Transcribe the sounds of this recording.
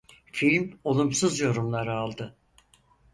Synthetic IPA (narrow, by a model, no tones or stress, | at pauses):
filʲmo̞lˠumsɯzjo̞ɾumlˠaɾɯalˠd̪ɯ